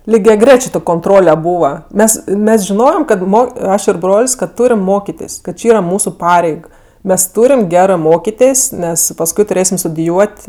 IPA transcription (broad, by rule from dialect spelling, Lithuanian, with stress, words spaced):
lʲɪɡʲɛˈɡrʲæːt͡ʃʲeː koːnˈtroːlʲɛ ˈbuːʋɐ ˈmʲɛs ˈmʲɛs ʒʲɪˈnoːjɛm ˈkɐt ˈmoː ˈɐʃ ɪr ˈbroːlʲsʲ kɐt ˈtuːrʲɪm ˈmoːkʲɪtʲɪs kɐt ˈt͡ʃʲɪ ˈiːrɐ ˈmuːsʊ ˈpɑːrʲɛɪk ˈmʲɛs ˈtuːrʲɪm ˈɡʲæːrɜ ˈmoːkʲɪtʲeːsʲ ˈnʲɛs pɐsˈkʊɪ tʊˈrʲeːsʲɪm stʊdʲɪˈjuɔtʲ